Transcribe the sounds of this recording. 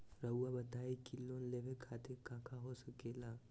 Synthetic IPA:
ɾəuabɐt̪aːikiloːnlebekʰaːt̪ekãːkʰaɦosɐkeːlaː

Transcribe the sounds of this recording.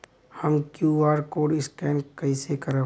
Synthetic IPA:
həmkjuːaːɾkoːɖɪskɛːnkɐisekəɾə

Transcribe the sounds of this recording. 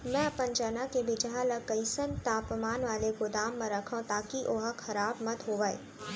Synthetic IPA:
mɛ̃ɐpənd͡ʒɐnakebɪd͡ʒaləkəɪsənt̪aːpmaːnʋaːlekʊd̪aːmːẽɾɐkʰõt̪aːkiʔoːɦəkʰɐɾaːbmɐt̪ɦoːʋaːḛ

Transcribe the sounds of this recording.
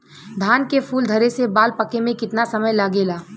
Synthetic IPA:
d̪ʱaːnkepʰuːld̪ʱɐɾesebaːlpəkemẽkɪt̪nasɐməjlaːɡeːlaː

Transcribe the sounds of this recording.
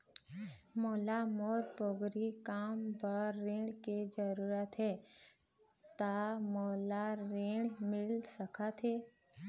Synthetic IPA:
moːlamoːɾpoɡɾikaːmpəɾːẽːɳkid͡ʒəɾuːɾət̪ɦɛ | t̪amoːlaɾẽːɽmɪlsəkʰat̪ɦe

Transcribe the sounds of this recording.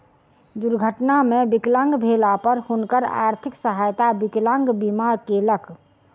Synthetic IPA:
d̪uɾɡʱəʈnamẽbiklə̃ŋɡbʱelapəɾhunkəɾa̰ːɾt̪ʰɪksəɦajt̪abiklə̃ŋɡbimakelək

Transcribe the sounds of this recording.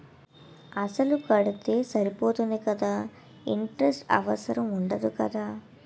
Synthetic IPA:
ɐsɐlukɐɽut̪e̞ːsɐɾipo̞ːt̪und̪ikɐd̪aː | iɳʈɾesʈɐ̰ʋɐsɐɾɐmuɳɖɐd̪ukɐd̪aː

